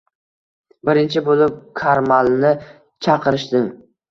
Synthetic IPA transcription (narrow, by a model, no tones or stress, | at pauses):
bɪɾɪnt͡ʃʰɪbolˠɪp̚kʰaɾmalˠnɪ | t͡ʃʰɑqʰɨɾɪʃt̪ɪm